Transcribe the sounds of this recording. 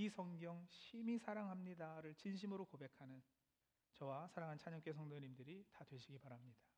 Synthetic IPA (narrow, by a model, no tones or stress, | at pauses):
isʰʌŋɡjʌŋɕʰimisʰaɾaŋɦamɲidaɾɯɭt͡ɕinɕ̬ʰimɯɾokobe̞kʰanɯn | t͡ɕʌwasʰaɾaŋɦant͡ɕʰaɲʌŋk͈esʰʌŋdʌɲimdɯɾitadwe̞ɕʰiɡipaɾamɲida